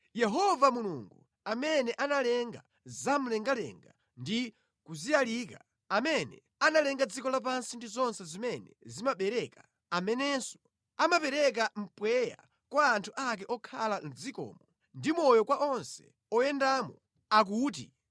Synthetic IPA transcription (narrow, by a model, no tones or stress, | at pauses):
jɛɦɔvamulṵŋɡu | amɛnɛʔanalɛŋɡa̰ | zam̩lɛŋɡalɛ̰ŋɡa | ndi | kuzijalika | amɛnɛ̰ | analɛŋɡad͡zikɔlap̬ansindizɔnsɛzimɛnɛzimaɓɛɾɛka | amɛnɛsɔ̥ | amapɛɾɛk̬am̩pwɛja̰ | kwaːntʰuʔak̬ɛʔɔkʰalan̩d͡zikɔ̰ːmɔ | ndimɔjɔkwaʔɔnsɛ̥̰ | ɔjɛndaːmɔ | ak̬uːt̬ḭ